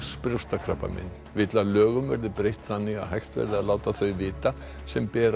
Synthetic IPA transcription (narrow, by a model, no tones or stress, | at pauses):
spɾjowst̪akʰɾapːa̰mɪ̰n | vɪt̪lalœːɣʏmvɛɾðɪpɾejht̪θanːiɣa̰hajxt̪vɛ̰ɾðɪaðlaːwt̪aθœɥvɪːt̪a | sɛmpɛːɾ